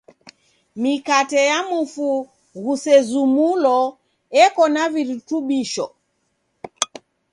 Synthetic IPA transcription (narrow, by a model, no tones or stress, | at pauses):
mikatɛjamufu | ɣusɛzumulɔ | ɛkɔnaviɾituɓiʃɔ̰